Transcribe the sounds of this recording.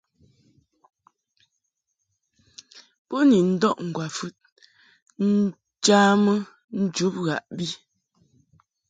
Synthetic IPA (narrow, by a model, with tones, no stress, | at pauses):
pɔ˦ni˨n̩˦dɔ˦˨ʔŋ̩˨ɡwa˨fʉ˦t̚ | n̩˦ | t͡ʃaː˦mə˦ | n̩˦d͡ʒu˨˦p̚ɣa̰˨ʔbi˦